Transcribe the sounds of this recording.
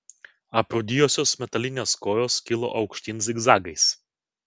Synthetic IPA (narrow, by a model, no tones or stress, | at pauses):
ɐpɾod̪ʲijoːsʲoːsmʲɛt̪ɐlʲɪnʲeːskoːjoːskʲɪlˠo̰ʔɒʊkʃʲt̪ʲins̬ʲɪɡzɑːɡɐɪs